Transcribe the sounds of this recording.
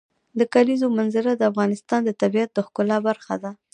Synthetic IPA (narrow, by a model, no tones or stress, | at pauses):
d̪əkalizomanzɪɾad̪əafɣɑnɪst̪ɑnd̪ət̪abijat̪̚d̪əxkʊlɑbaɾxa̰d̪a